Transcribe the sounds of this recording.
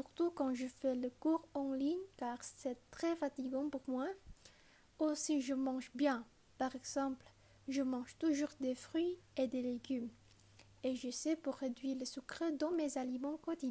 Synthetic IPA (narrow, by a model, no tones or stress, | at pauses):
syʁt̪ukɑ̃ʒəfɛləkuʁɑ̃liɲkaʁsɛt̪χɛfat̪iɡɑ̃puʁmwa | osiʒəmɑ̃ʒbjɛ̃ | paʁɛɡz̥ɑ̃pl | ʒəmɑ̃ʒt̪uʒuʁd̪efχɥied̪eleɡʲym | eʒəsɛpuʁːed̪ɥiʁlesykχed̪ɑ̃mezalimɑ̃kɔt̪id̪